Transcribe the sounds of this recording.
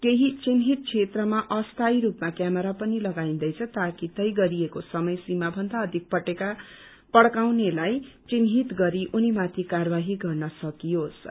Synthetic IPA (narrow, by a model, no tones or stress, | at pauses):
keɦit͡sinɦit̪̚t͡sʰet̪rʌmaʔʌst̪ʰajɾupmakjamʌɾapʌnilʌɡaĩnd̪ʌjt͡sʰʌt̪akit̪ʌjɡʌɾiekosʌmʌjsimabʱʌnd̪aʌd̪ʱik̚pʌʈeka | pʌɽkawnelaj | t͡sinɦit̪ɡʌɾiʔunimat̪ʰikarbaɦiɡʌrnʌsʌkijos